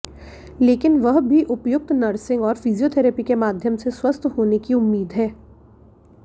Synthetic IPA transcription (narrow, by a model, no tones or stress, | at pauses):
leːkɪnʋɐɦbʱiʔʊpjʊk̚t̪nɐɾsɪ̃ŋɡɔːɾfizijoːt̪ʰɛːɾeːpikemaːd̪ʱjəmseswɐst̪ʰɦoːnekiʊmːiːd̪ɦɛː